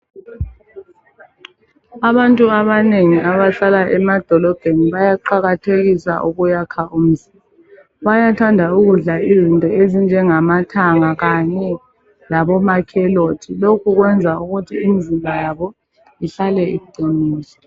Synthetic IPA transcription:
aβantʼuaβaneŋiaβaɬalaʔɛmad̥ʱɔlɔb̥ʱeniβajaǃaɣatʰeɣisa̰ʔuɣujakʰaʔum̩zimba | βajatʰandʱauɣuɮaizintʼɔezind͡ʒʱɛŋamatʰaŋaɣaɲɛ | laβɔmakʰɛloːtʰilokʰuɣwɛnd͡zʱauɣutʰiːmizimbʱajaβɔ | iɬalɛḭǃʱiniːsɔ̥

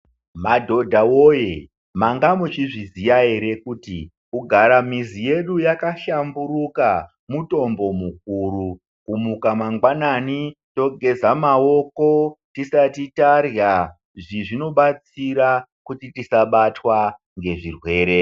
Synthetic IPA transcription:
madʱo̞dʱawoje | maŋɡamut͡ʃiʐizijaeɾe̞kuːtḭ | uɡʱaɾamizije̞ɗujakaʃambuɾuka | muto̞mbo̞muk̚uɾu | kumukamaŋɡwananito̞ɡʱe̞zamao̞kotisatitarja | ʐiʐino̞ɓat͡siɾakutitisaɓatwa | ŋɡe̞ʐirwe̞ːɾe̞

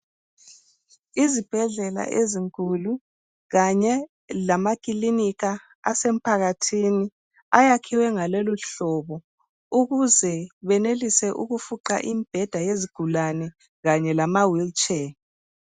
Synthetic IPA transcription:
izib̥ʱɛɮɛla̰ʔeziŋkʼulu | ɣaɲɛ | lamakʼiliniɣa | asem̩pʰaɣatʰini | ajakʰiwɛŋaloluɬɔβɔ | uɣuzɛβɛnelisɛʔuɣufuǃa̰ʔimb̥ʱɛd̥ʱajeziɡ̥ʱulanɛ | ɣaɲɛlamawilt͡ʃʼɛ

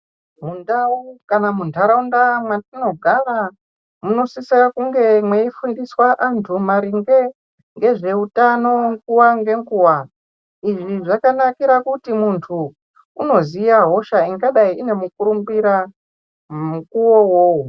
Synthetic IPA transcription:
mundaukanamuntʰaɾaundamwatino̞ɡʱara | muno̞sisiakuŋɡe̞mweifundiswaʔantʰumaɾiŋɡe | ŋɡe̞ʐe̞utano̞ŋɡuwaŋɡe̞ŋɡuːwa | iʐiʐakanakiɾakutimuntʰuː | no̞zijaɦo̞ʃaiŋɡaɗaiine̞mukuɾumbiɾa | mukuwo̞wou

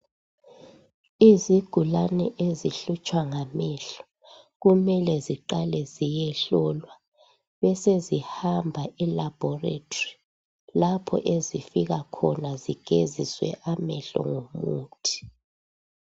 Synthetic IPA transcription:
iziɡ̥ʱulanɛʔeziɬut͡ʃʼwaŋamɛɬɔ̥ | ɣumɛlɛziǃalɛzijɛɬɔlwa | βɛsezihambʱaʔɛlab̥ʱɔrḛtʰʼɔri | lapʰɔ̰ʔezifiɣakʰɔnaziɡ̥ʱeziswɛ̰ʔamɛɬɔ̰ŋomuːtʰi̥

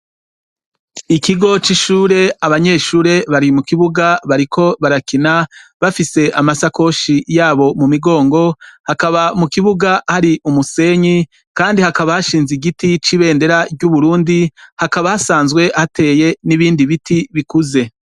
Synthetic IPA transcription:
ikiɡo̞t͡ʃiʃuːɾe̞aβaɲe̞ːʃuːɾe̞βaɾimukiβuɡaβaɾikʰo̞βaɾakinaβafise̞ʔamasako̞ʃijaːβo̞mumiɡo̞ːŋɡo̞hakaβamukiβuɡahaɾiʔumuse̞ɲi | kaːndihakaβahaʃiːnziɡitit͡ʃiβe̞ːnde̞ɾaɾɟuβuɾuːndihakaβahasaːnzɡwe̞hatʰe̞ːje̞niβiːndiβitʰiβikuze̞

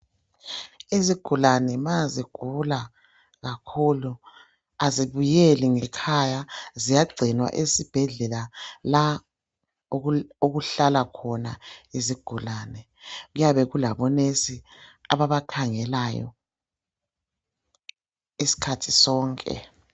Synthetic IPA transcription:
eziɡ̥ʱulanɛmaziɡ̥ʱula | ɣakʰulu | aziβujeliŋɛkʰajazijaɡ͡ǀʱinwa̰ʔesib̥ʱɛɮɛlala | oɣuɬalakʰɔnaeziɡ̥ʱulaːnɛ | ɣujaβɛɣulaβɔnesiaβaβakʰaŋɛlajɔ̰ | esi̥kʰatʰi̥sɔːŋkʼɛ̰

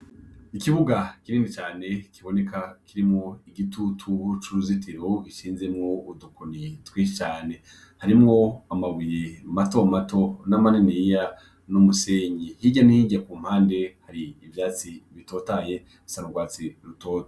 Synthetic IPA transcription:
ikiβuɡakiɾiːndit͡ʃaːne̞kʰiβo̞ne̞kʰakʰiɾimŋoiɡitʰutʰut͡ʃuɾuzitʰiɾoɡiʃiːnze̞mŋoudukunitwit͡ʃaːne̞ | haɾimŋo̞amawiɾematomatonamaninijja | numuseːɲihiɟaniiɟakuːm̥haːnde̞haɾiːvjaːt͡siβito̞ːtaje̞ | usanuɡwaːt͡siɾutoːtḁ

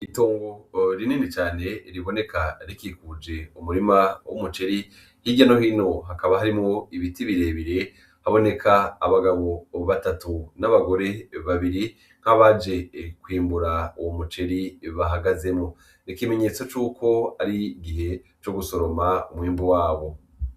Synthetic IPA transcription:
ito̞ːŋɡo̞ɾiniːnit͡ʃaːne̞ɾiβo̞ne̞kaɾikikud͡ʒe̞umuɾimawumut͡ʃe̞ɾi | hiɟano̞hino̞ɦakaβaɦaɾimŋo̞iβitiβiɾe̞βiɾe̞ | haβo̞ne̞kʰaːβaɡaβo̞βatatunaβaɡo̞ɾe̞βaβiɾi | ŋ̥haβad͡ʒe̞kwiːmbuɾauwomut͡ʃe̞ɾiβaɦaɡaze̞mŋo̞ | nikime̞ɲe̞ːt͡so̞t͡ʃuːkʰo̞aɾiɡiɦe̞t͡ʃo̞ɡuso̞ɾo̞maumwiːmbuwaːβo̞

